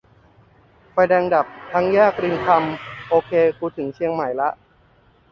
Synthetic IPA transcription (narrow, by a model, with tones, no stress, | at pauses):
fa˧jdɛː˧ŋda˨˩p̚t̪ʰa˦˥ŋjaː˥˩k̚ɾi˧nkʰa˧mʔoː˧kʰeː˧kʰuː˧t̪ʰɯ˩˦ŋt͡ɕʰi˧əŋma˨˩jla˦˥ʔ